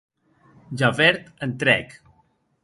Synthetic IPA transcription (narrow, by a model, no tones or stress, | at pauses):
d͡ʒavɛɾt̪ənt̪ɾɛ̰k